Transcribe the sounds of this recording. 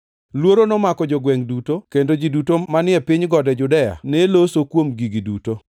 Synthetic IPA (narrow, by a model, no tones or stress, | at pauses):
lwoɾonɔmakɔd͡ʒɔɡwɛŋdutokendod͡ʒidutomanɪɛpɪɲɡɔdɛd͡ʒʊdɛja̰nelosokwomɡiɡiduto